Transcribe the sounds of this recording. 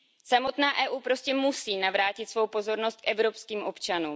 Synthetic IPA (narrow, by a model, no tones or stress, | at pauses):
samo̞t̪naːʔɛːʔuːpɾo̞scɛmusiːnavɾaːcɪt̪svowpo̞zo̞ɾno̞st̪̚kʔɛvɾo̞pskiːmʔo̞pt͡ʃanuːm